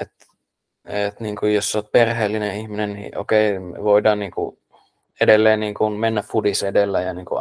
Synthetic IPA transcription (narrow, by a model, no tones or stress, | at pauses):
et̪ | et̪niːŋkujjossoːt̪̚perheːlːineihminennḭːʔo̰keimḛʋoidɑːnniːŋkṵ | edelːeːnniːŋkunmenːæffudisedelːæjɑniːŋkṵ